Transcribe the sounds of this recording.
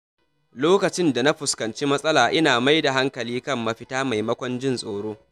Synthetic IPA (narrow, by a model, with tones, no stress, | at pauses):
loː˦kɐ˨t͡ʃɪ˦nda˨na˦ɸʊ˨skɐ˨nt͡ʃiː˦mɐ˦sʼɐ˦laː˨ʔɪ˦naː˨ma˦jda˨ɦa˦ŋkɐ˨liː˦kɐ˦mːɐ˦ɸɪ˦taː˦ma˨jmɐ˦kʷɔ˦nd͡ʒɪ˦nsʼoː˨ɽoː˦